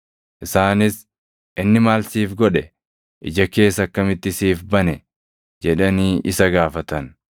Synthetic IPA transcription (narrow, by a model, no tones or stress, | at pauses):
ʔɪsaːnɪs | ʔɪnːɪmaːlsiːfɡɔᶑɛ | ʔɪ̰d͡ʒɐke̞ːsːɐkːɐmɪt̪ːɪsiːfbɐnɛ | d͡ʒɛᶑɐniːʔɪsɐɡaːfɐt̪ɐn